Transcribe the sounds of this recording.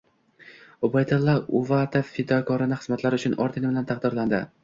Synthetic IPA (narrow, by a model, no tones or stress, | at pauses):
obajd̪alˠːɒuvat̪ʰefːɪd̪ɒkʰɒɾɪnɪχɨ̥zmat̪laɾɪʊt͡ʃʰʊnʔɒ̰ɾt̪ʰɪnɪbɪlant̪ʰaqd̪ɒɾland̪ɪ̰